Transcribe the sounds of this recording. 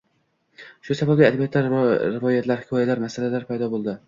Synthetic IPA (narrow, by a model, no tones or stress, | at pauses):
ʃʊsababʲɪad̪abijat̪laɾɾɪvɒjat̪ʰlaɾhkʰɒjalaɾmasalalaɾpʰajd̪ɒbolˠd̪ɪ